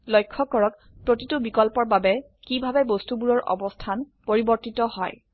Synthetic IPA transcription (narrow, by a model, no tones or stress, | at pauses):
lɔjkʰːɔkɔɹɔk̚ | pɹotitubikɔlpɔɹbabɛ | kibʱabɛbostubuɹɔɹʔɔ̰bɔstʰan | poɹibɔɹtitɔhɔ̰j